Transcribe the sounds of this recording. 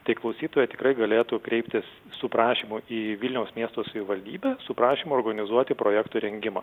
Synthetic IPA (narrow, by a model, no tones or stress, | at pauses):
t̪ɐɪklˠɐʊsʲiːt̪oːjɛt̪ʲɪ̥kɾɐɪɡɐlʲeːt̪uːkɾʲɛɪpʲt̪ʲɪs | sʊpɾɑːʃʲiːmʊiːʋʲɪlʲnʲɛʊsmʲiɛst̪oːsɐʋʲɪʋɐlʲd̪ʲiːbʲæsʊpɾɑːʃʲiːmʊɔːrɡɐnʲɪzuɔt̪ʲɪpɾoːjæːkt̪uːɾʲɛŋʲɡʲɪmɐː